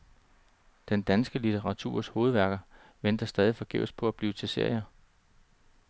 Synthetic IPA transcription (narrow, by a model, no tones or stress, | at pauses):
d̥end̥ænsɡ̥əlit͡sʰeʁɑ̈t͡sʰṵːɐ̰sho̝ːð̞̩ˠʋæɐɡ̥ɐ | ʋend̥ɐsd̥ɛːð̞ˠifɒ̽ɡ̥eʊspʰɒ̽æb̥liːʊt͡sʰe̝lse̝ɐ̰jɐ